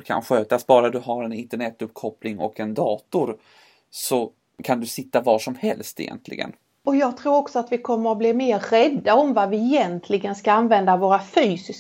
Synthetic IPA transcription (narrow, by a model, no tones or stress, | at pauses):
kʰa̰nɧøːt̪asbɑːɾad̪ɵɦaɾɛnɪnt̪əɳɛt̪ːɵpːkʰɔpʰlɪŋɔ̰kɛnd̪ɑːt̪ʊɾ | sɔ | kʰand̪ɵsɪt̪ːavɑːʂɔmhɛlst̪ɪ̰jɛ̰nt̪ʰlɪ̰ɡə̰n | ɔjɑːɡ̚t̪ʰɾuːɾɔksɔat̪vɪkʰɔmːəɾɔbliːmeːɾːɛd̪ːaɔmvavɪɛjɛnt̪ʰlɪɡənskaanvɛnd̪avoːɾafyːsɪs